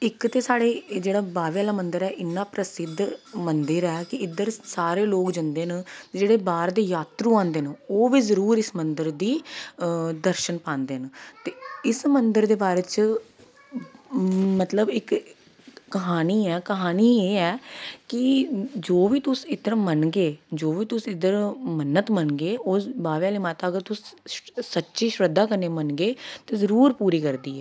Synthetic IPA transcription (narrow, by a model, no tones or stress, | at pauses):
ɪkt̪eːsaːɽeːd͡ʒeːɽaːbaːʋjaːlaːmənd̪əɾɛːʔɪnːãːpɾəsɪd̪ʱmənd̪əɾɛːkɪɪd̪əɾsaːɾeːloːkd͡ʒənd̪eːnd͡ʒeːɽeːbaːɾd̪eːjaːt̪ɾũːãːnd̪eːnːoːʋiːzəɾuːɾɪsmənd̪əɾd̪iː | d̪əɾʃənpãːnd̪eːnt̪eːɪsmənd̪əɾd̪eːbaːɾeːt͡ʃ | mət̪ləbɪkː | əɦaːniːɛːkəɦaːniːeːɛːkɪd͡ʒoːʋiːt̪ʊsɪt̪əɾamənɡeːd͡ʒoːʋiːt̪ʊsɪd̪əɾmənːət̪mənɡeːoːbaːʋaːleːmaːt̪aːəɡəɾt̪ʊsː | ətːʃiːʃɾəd̪ːaːkəneːmənɡeːt̪eːzəɾuːɾpuːɾiːkəɾd̪iːɛː